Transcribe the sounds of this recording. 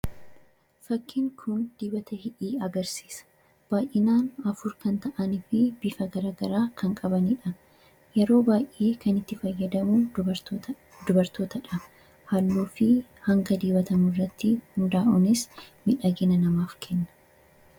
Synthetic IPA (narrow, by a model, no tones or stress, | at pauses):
fɐkʰːɪŋkʰʊnd̪̥iːbɐt̪ɐhɪᶑiːɐɡɐɾsiːsɐ̥ | b̥aːjʔɪnaːnɐfʊɾkɐnt̪ɐʔɐnɪfɪbɪfɐɡɐɾaːɡɐɾaːkʰɐŋkʼɐbɐniᶑɐ | jɛɾo̞ːbaːjʔeːkʰɐnɪt̪ːɪfɐjːɐd̪ɐmuː | d̪ʊbɐɾt̪o̞ːt̪ɐᶑɐ | hɐlːuːfɪ | hɐŋɡɐd̪iːbɐt̪ɐmʊrːɐt̪ːɪhʊnd̪aːʔʊnɪsmɪᶑɐɡɪnɐnɐmaːfkʰɛnːɐ̥